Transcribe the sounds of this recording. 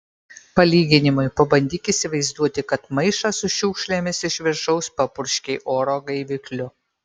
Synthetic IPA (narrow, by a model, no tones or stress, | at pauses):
pɐlʲiːɡʲɪnʲɪmʊɪpɐbɐnʲd̪ʲiːkʲɪsʲɪʋɐɪzd̪uɔt̪ʲɪkɐt̪mɐɪʃɑːsʊʃʲuːkʃʲlʲemʲɪsɪʃʲʋʲɪɾʃɒʊspɐpʊɾʲʃʲkʲɛɪʔoːɾoːɡɐɪʋʲɪklʲʊ